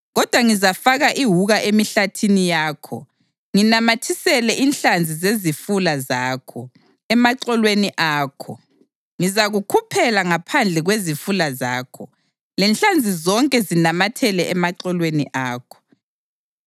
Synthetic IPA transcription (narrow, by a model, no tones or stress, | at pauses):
ɣɔd̥ʱwaŋizafaɣaʔiɦuɣaʔemiɬatʰinijaːkʰɔ̰ | ŋinamatʰisɛlɛʔinɬand͡zʱizezifulazaːkʰɔ | ɛmaǀɛlweniʔaːkʰɔ̰ | ŋizaɣukʰupʰɛlaŋapʰand͡ɮʱɛɣwezifulazaːkʰɔ | lɛnɬand͡zʱizɔŋkʼɛzinamatʰɛlɛʔɛmaǀɛlweniʔaːkʰɔ̥